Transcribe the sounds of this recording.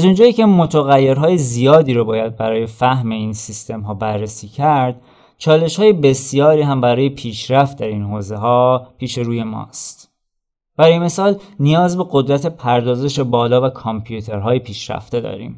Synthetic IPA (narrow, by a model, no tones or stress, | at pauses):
æzund͡ʒɒːjiːce̞mot̪ʰoɣæjːeɾɦɒːjezijɒːd̪iːɾobɒːjæd̪̚bæɾɒːje̞fæhme̞iːnsist̪ʰe̞mɦɒːbærːesiːcʰæɾd̪̥ | t͡ʃʰɒːle̞ʃhɒːje̞be̞sijɒːɾiːɦæmbæɾɒːjepʰiːʃɾæft̪̚d̪æɾinɦoːze̞ɦɒːpʰiːʃe̞ɾuːje̞mɒ̰ːst̪ | b̥æɾɔːjeme̞sɒːlnijɒːzbe̞ɡo̞d̪ɾæt̪ʰe̞pʰæɾd̪ɒːze̞ʃe̞bɒːlɒːvækʰɔmpʰjut̪ʰe̞ɾɦɒːje̞pʰiːʃɾæ̰ft̪e̞d̪ɒ̰ːɾḭːm